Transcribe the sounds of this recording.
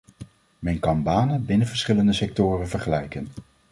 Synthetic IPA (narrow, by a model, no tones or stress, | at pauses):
mɛjnkɑnbaːnəbɪnəvəɹsχɪləndəsɛk̚tʊːrənvəɹχəlɛjkən